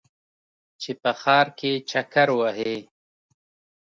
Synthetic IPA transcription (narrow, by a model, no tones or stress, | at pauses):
t͡ʃepɐxɑːɾket͡ʃɐkɐɾwaɦe